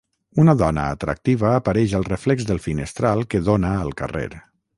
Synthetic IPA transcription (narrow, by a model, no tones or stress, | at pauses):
unəðɔnə̰ːt̪ɾə̰k̚t̪iβəːpəɾɛʃəlˠrəflɛɡzðəlˠfinəst̪ɾalˠkəðonəːlˠkə̰rḛɾ